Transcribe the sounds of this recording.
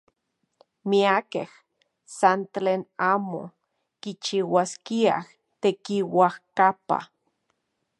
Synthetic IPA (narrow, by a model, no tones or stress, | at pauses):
miakeh | sant̪leːnaːmo̰ | kit͡ʃiwaskia̰h | t̪ekiwahkapa̰